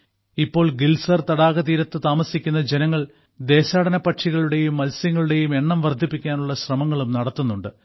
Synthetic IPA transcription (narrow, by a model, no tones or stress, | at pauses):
ipːo̞ːɭɡilsɐrt̪ɐɽaːɣɐt̪iːɾɐt̪ːɨt̪aːmɐsikʲːunːɐd͡ʑe̞nɐŋːɐɭ | d̪e̞ːɕaːɽɐnɐpːɐʈʂiɣɐɭuɽe̞jumːɐlsjɐŋːɐɭuɽe̞jume̞ɳːɐmʋɐrd̪ʱipːikʲːaːnuɭːɐɕrɐmɐŋːɐɭumnɐɽɐt̪ːunːuɳɖɨ